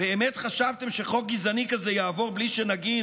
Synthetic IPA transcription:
b̥eːmetχaʃavt̪e̞mʃe̞χo̞k̚ɡizanikazejaːvo̞ʁbliʃenaɡi

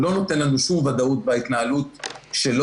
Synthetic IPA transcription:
lo̞no̞t̪enlanuʃumvad̪aut̪̚bait̪naalutʃe̞lo

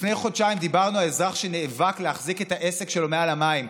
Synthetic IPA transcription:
fnejχo̞d̪ʃaimd̪ibaʁnualezʁaχʃe̞neːvakleaχzike̞t̪aʔe̞sekʃelo̞mealamaim

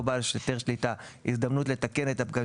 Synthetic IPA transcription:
balʃet̪eʁʃlit̪a | isd̪amnutle̞t̪ake̞net̪ap̚ɡa

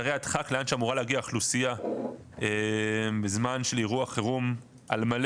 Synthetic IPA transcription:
aʁejat̪χakleanʃeamuʁaleaɡiaχlusija | embezmanʃeliʁuaχeʁum | a̰lmal

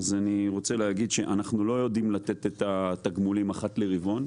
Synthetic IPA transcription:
azaniʁo̞t͡se̞leaɡid̪ʃe̞ʔanaχnulo̞jo̞d̪imlat̪e̞t̪et̪at̪aɡmulimaχatleʁivo̞n

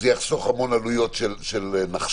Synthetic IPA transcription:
zejaχso̞χamo̞nalujo̞tʃelʃelnaχ

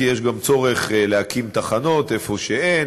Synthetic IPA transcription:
jeʃɡamt͡soʁeχlehakimt̪aχano̞t̪e̞fo̞ʃeʔen

